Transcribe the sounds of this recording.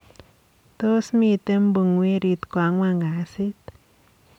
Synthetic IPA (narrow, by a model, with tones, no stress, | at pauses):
t̪o˦smi˧t̪e˦mbɨ˧ŋwi˦ɾi˧t̪kʷa˧ŋwa˧ŋɡa˨si˦t̪